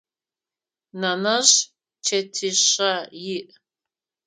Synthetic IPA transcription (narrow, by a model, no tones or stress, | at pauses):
nɐnɐɕ | t͡ʃʰetʰiɕɐjiʔ